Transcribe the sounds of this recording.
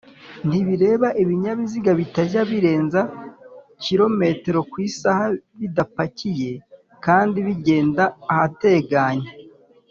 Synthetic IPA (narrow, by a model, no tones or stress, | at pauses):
n̥tiβiɾe̞ːβaʔiβiɲaβiziɡaβitaɟaβiɾe̞ːnza | ciɾo̞me̞te̞ɾo̞kwiːsahaβidapacije̞ | kaːndiβiɟe̞ːndaːhate̞ɡaɲa